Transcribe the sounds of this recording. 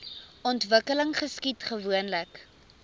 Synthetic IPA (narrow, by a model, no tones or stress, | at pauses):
ɔntvəkələŋχəskitχəvuənlək